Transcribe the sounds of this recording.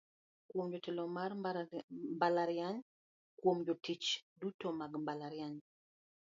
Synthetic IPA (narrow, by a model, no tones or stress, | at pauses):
kwomd͡ʒotɛlɔmar | mbalaɾjaɲ | kwomd͡ʒotit͡ʃdutomaɡmbalaɾjaɲ